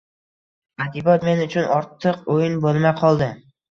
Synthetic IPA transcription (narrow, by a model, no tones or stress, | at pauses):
ad̪ibɒt̪me̞nʊt͡ʃʰʊnɒɾt̪ʰːɨqojɪnbolˠmajqʰɒlˠd̪ɪ